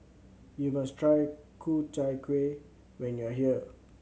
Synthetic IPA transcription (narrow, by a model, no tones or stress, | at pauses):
jumastʰɹajkʰutaɪkʰwe | wɛ̃njuaɦiə